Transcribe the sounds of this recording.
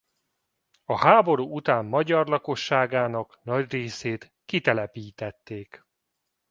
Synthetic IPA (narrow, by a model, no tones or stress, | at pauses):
ɒhaːbo̞ɾuːut̪aːmːɒɟɒrlɒko̞ʃːaːɡaːnɒknɒɟreːseːt̪ | kit̪ɛlɛpiːt̪ɛt̪ːeːk